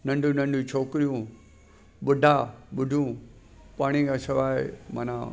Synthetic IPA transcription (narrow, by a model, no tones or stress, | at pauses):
nɐ̃ɳɖʱũnɐ̃ɳɖʱũt͡ɕʰoːkɪɾijũ | ɓʊɖʱaɓʊɖʱjũ | paːɽ̃ikasɪʋaːɪ̰mɐ̰na̰